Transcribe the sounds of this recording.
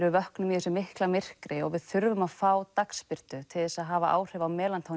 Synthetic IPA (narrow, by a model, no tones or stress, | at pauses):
ɾʏvœhknʏmiʏsʏmɪhklamɪr̥kɾɪɔ̰ɣvɪðθʏɾvʏmaðfaːwt̪akspɪr̥t̪ʏt̪ʰɪðɛsaðɦaːvaʔa̰ːwr̥ɛvawmɛːlant̪ʰaw